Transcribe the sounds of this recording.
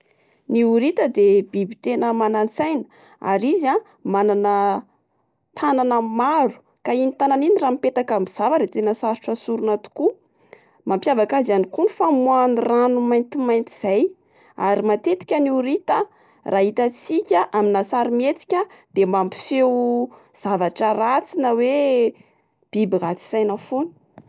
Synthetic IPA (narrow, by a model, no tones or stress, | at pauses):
niuɾit̪əd̪ebibit̪enəmanant͡sajnə̥ | a̰ɾizia | mananə | t̪ʰananəmaɾu̥ | kainit̪ananiniraːmipet̪akambiz̥avaɾet̪enəsaɾiʈ͡ʂəsuɾunat̪u̥ku | mampjavakazianikunifamwaniranumajnt̪imajnt̪iz̥aj | aɾimat̪et̪i̥kʲaniɾit̪a | rʔaːɦit̪at͡sikʲəʔaminasaɾimet͡si̥kʲa | d̪̥emampi̥few | z̥avaʈ͡ʂərat͡sinəwe | b̥ibiɡat͡si̥sajnəfoni̥